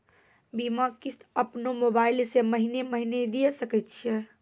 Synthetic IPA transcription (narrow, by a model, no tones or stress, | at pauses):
bimakisəpnomobaɪlseməɦineməɦined̪ijesəkət̪̚t͡ʃʰiɛ